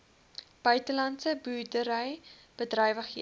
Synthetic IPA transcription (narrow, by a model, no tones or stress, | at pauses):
b̥œɥtəlɐntsəbuːrdəɾəjb̥ədrœjvəχi